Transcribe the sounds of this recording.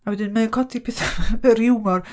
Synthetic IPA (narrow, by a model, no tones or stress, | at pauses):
awɛdɪnmankʰɔtʰipʰɪθarɪwmɔr